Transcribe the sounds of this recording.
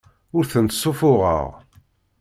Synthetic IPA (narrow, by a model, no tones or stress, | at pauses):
ʊɾθənt̪sˤːʊfʊʁə̰ʁ